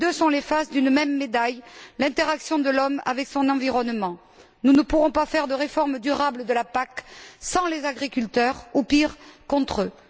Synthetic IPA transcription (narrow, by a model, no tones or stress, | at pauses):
ed̪øsɔ̃lefasd̪ynmɛmːed̪ajlɛ̃t̪eʁaksjɔ̃d̪əlɔma̰vɛksɔ̃nɑ̃viʁɔnmɑ̃ | nunəpuʁɔ̃pafɛʁd̪əʁefɔʁmd̪yʁabləd̪əlapaksɑ̃lezaɡʁikylt̪œʁupiʁkɔ̃t̪χø